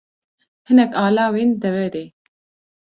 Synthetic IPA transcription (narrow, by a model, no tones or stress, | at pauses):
hɨnɛkaːlaːweːnd̪ɛvɛɾeː